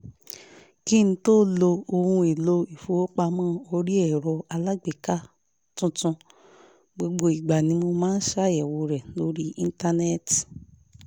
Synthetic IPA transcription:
ki˦ñ̩˦to˦lo˧o˧hũ˧e˨lo˧i˨fu˨o˦k͡pa˧mãː˦o˧ɾi˦ɛ˦˨ɾɔ˧a˧la˦ɡ͡bi˨ka˦ | tũ˧tũ˧ | ɡ͡bo˧ɡ͡bo˧i˨ɡ͡ba˨nĩ˧˦mo˧mãː˦n̩˦ʃa˦˨˦ɛ˨wo˧ɾɛ˨lo˨˦ɾi˦i˧n˦ta˧nɛ˦t

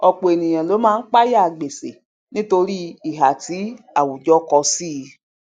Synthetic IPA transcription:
ɔ˧k͡po˨e˨nĩ˨j̃ã˨lo˨˦mãː˦˧n̩˦k͡pa˦ja˦˨ɡ͡be˨se˨ | nĩ˦to˧ɾi˦i˦˨ɦa˨ti˨˦ | a˨wu˨d͡ʒɔ˦kɔ˧si˦˧

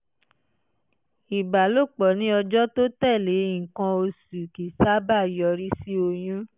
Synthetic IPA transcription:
i˨ba˨lo˦˨k͡pɔ˨˦nĩ˦ɔ˧d͡ʒɔ˦to˦tɛ˦˨le˨˦˨kã˧o˧su˨ki˨sa˦ba˦˨jɔ˧ɾi˦si˦o˧j̃ũ˦

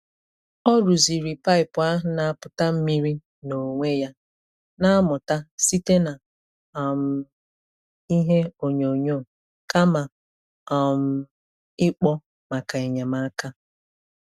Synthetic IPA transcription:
ɔ˦ɾu˨zi˨ɾi˨pa˦ɪ˨pʊ˨a˦na˨a˨pʊ˨ta˦m̩˦mi˦ɾi˦ | no˨ŋʷe˦ja˦ | na˦a˦mʊ˨ta˦si˦te˦na˨ | a˨m̩˨ | i˦ɦe˦o˨ɲo˨ɲo˦˨ | ka˦ma˨ | ɔ˨m̩˦˨ | ɪ˦k͡pɔ˦ | ma˨ka˨e˨ɲa˨ma˦ka˦

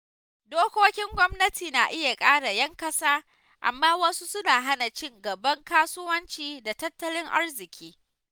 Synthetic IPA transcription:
doː˦kʷoː˦kʲɪ˦ŋɡʷɔ˦mnɐ˦tʰiː˨naː˨ʔɪ˦ja˨kʼaː˦ɽa˨jɐ˦ŋkɐ˦saː˦ | ʔa̰˨mːaː˦wɐ˦su˦sʊ˦naː˨ɦa˦na˨t͡ʃɪ˦ŋɡɐ˨bɐ˦ŋkaː˦sʊ˦wɐ˦nt͡ʃiː˨da˨tɐ˦tːɐ˦lɪ˦ŋʔa̰˦rzɪ˨kʲʰiː˦

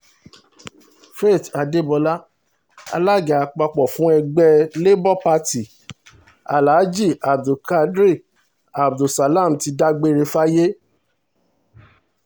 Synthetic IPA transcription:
fe˦˨ta˨de˦˨bɔ˧la˦ | a̰˧la˦ɡa˨a˧k͡pa˧k͡pɔ˨fũ˨˦ɛ˧ɡ͡bɛ˧le˦bɔ˦pa˧ti˨ | a̰˨la˨˦d͡ʒi˦˨ʔa˨b̚du˨ka˧dɾi˦˨ | a˨b̚du˨sa˨la˦˨m̩˨ti˧da˦ɡ͡be˦ɾe˧fa˦je˦

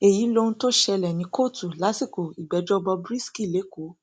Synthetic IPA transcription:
e˨ji˨˦lo˧nũ˦to˦ʃɛ˧lɛ˨nĩ˧˦kʰo˦˨tu˨la˨˦si˦˨ko˨i˨ɡ͡bɛ˨˦d͡ʒɔ˦bɔ˧bɾi˦ski˦˨le˨˦ko˨˦

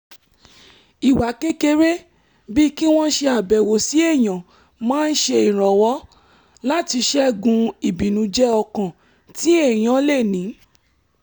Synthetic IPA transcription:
i˨wa˨ke˦ke˧ɾe˦ | bi˦ki˦w̃ɔ̃˦ʃe˧a˨bɛ˨wo˨si˨˦e˦˨j̃ã˨ | mãː˦n̩˦ʃe˧i˨ɾ̃ɔ̃˨wɔ˨˦ | la˦ti˧ʃɛ˦˨ɡũ˧i˨bi˨nũ˨˧˦d͡ʒɛ˦ɔ˧kã˨ | ti˨˦e˦˨j̃ã˨˦le˦˨nĩ˨˦

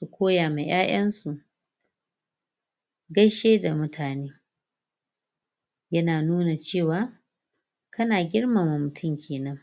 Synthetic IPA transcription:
su˨kʷʰoː˦jaː˨me˨j̰ʔaː˦j̰ɐ˦nsu˨ʔ | ɡɐ˦ʃeː˦da˨mʊ˦tʰaː˨neː˦ | jɐ˦naː˨nuː˦na˨t͡ʃeː˦˨waː˦ | kɐ˦naː˨ɡʲɪ˦rmaː˨ma˨mʊ˨tʰʊ˦˨mkʲʰeː˨nɐ˦ŋ

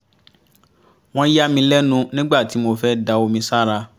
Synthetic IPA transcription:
w̃ɔ̃˦ja˦mĩ˧lɛ˦nũ˧nĩ˦ɡ͡ba˦˨ti˨˦mo˧fɛ˦da˧o˧mĩ˧sa˦ɾa˧

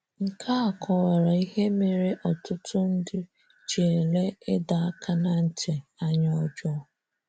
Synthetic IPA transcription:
ŋ̩˨kʰa˦a˨kʰɔ˨wa˨ɾa˨i˦ɦe˦me˨ɾe˦ʔɔ˨tʊ˦tʰʊ˦n̩˦dɪ˦ | t͡ʃe˨le˦ɪ˦da˨a˦kʰa˦na˨n̩˦tʰe˨a˦ɲɔ˦d͡ʒɔ˦˨

